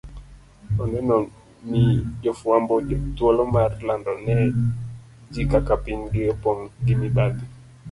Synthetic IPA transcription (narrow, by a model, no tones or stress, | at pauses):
ɔnɛnɔ | nid͡ʒɔfwambɔd͡ʒɔtwɔlɔmarlandɔnɛ | d͡ʒikakapinɡɪɔpɔŋɡɪmibad̪i